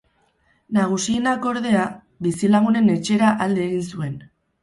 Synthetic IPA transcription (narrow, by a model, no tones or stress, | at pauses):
naɣ̞usienako̞ɾðe̞a | βisilaɣune̞ne̞t͡ʃe̞ɾaʔald̪eeɣinsue̞n